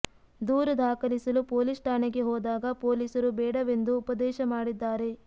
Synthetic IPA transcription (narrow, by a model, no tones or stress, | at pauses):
d̪uːɾɐd̪ʱaːkɐlisɐlupoːlisʈʰaːneɡe̞ɦɔːd̪aːɡɐpoːliːsɐɾubɛːɽɐʋe̞nd̪uːpɐd̪ɛːʃɐmaːɽid̪ːaːɾe̞